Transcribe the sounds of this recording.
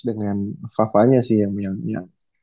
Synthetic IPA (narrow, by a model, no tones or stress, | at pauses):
dəŋanfafaɲasɪhjaŋjaŋja